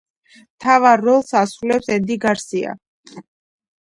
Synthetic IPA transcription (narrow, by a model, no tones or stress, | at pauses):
t̪ʰavaɾːɔlˠsasɾulɛpsɛnd̪iɡaɾsia̰